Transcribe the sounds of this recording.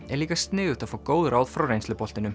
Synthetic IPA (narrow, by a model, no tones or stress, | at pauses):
ɛɾliːkast̪nɪːɣʏt̪aðfoːkoːwðʏɾʔaːwðfɾawɾejnslʏpɔl̥t̪ɪnʏm